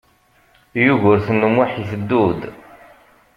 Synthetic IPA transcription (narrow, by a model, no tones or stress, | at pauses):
juʝʊɾθənːəmwaħiθəd̪ːud̪